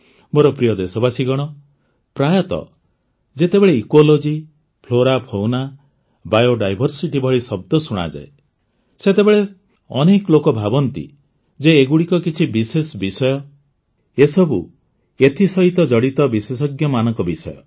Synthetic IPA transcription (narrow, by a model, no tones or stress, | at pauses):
moɾɔpɾijɔd̪esɔbasiɡɔɽ̃ɔ | pɾajɔt̪ɔ̰ | d͡ʒet̪ebeɭeikwolod͡ʒi | pʰloɾapʰowna | bajoɖajbʱɔɾsiʈibʱɔɭisɔb̚d̪ɔsuɽ̃a̰d͡ʒa̰e | set̪ebeɭe | ɔnekɔlokɔbʱabɔnt̪ḭ | d͡ʒeːɡuɽikɔkit͡ʃʰibisesbisɔjɔ | esɔbu | et̪ʰisɔɦit̪ɔd͡ʒɔɽit̪ɔbisesɔɡjɔmanɔŋkɔbisɔ̰jɔ̰